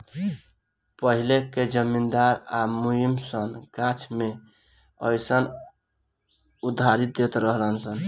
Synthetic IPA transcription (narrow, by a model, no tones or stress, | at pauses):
pəɦileked͡ʒəmind̪aɾamujimsənɡãt͡ʃʰme | əjsən | ud̪ʱːaɾit̪̚d̪et̪ɾəɦlənsən